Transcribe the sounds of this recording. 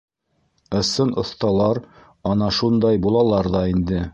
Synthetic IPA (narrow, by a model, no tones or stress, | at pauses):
ɤ̆sɤnŏθt̪ɑlˠɑɾ | ɒnɑʃund̪ɑjbulˠɑlˠɑɾðɑind̪ɘ